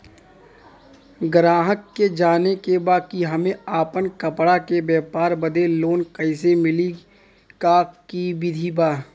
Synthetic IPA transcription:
ɡɾaːɦəkːed͡ʒaːnekebaːkiɦɐmẽaːpənkɐpɽakebɛːpaːɾbɐd̪eloːnkəɪs̬emɪli | kakibɪd̪ʱibaː

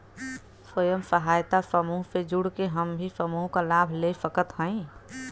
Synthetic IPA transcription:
səjəmsəɦaːjt̪asəmuːɦped͡ʒuɽkeɦəmbʱisəmuːɦkalabʱlesəkət̪ɦə̃ĩ

